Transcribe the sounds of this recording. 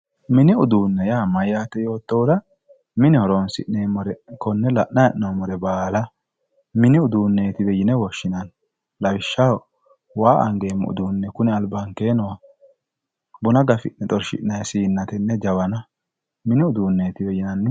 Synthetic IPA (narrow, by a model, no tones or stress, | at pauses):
mɪnɪʊd̪uːnːɛjaːmɐjːaːt̪ɛjo̞ːt̪ːoːd̪ɐ | mɪnɛhɔɾonsɪ̰ʔnemɔɾɛkɔnːɛlɐʔnɐɛʔnoːmɔɾɛbaːlɐ | mɪnɪʊd̪uːnːeːt̪ɪbɛjɪnɛwɔʃːɪnɐn | lɐbɪʃːaw | waːʔɐ̰ŋɡe̞ːmːɛ̰ʊ̰d̪uːnːɛkʊnɪɐlbɐŋke̞ːnɔw | bʊnɐɡɐfɪʔnɛt̪ʼɔɾʃɪ̰ʔnɐjsiːnːɐt̪ɛnːɛd͡ʒɐwɐnɐ | mɪnɪʊd̪uːnːeːt̪ɪbɛjɪnɐnːɪ